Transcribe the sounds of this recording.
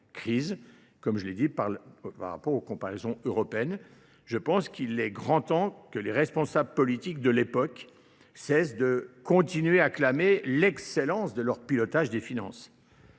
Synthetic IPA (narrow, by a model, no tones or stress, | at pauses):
kχiz | kɔmʒəled̪ipaʁpa̰ʁa̰pɔʁokɔ̃paʁɛzɔ̃øʁɔpeɛn | ʒəpɑ̃skʰilɛɡʁɑ̃t̪ɑ̃kəleʁɛspɔ̃sabləpɔlit̪ik̚d̪əlepɔk | sɛsd̪əkɔ̃t̪inɥeaklamelɛkselɑ̃sd̪əlœʁpilɔt̪aʒd̪efinɑ̰̃s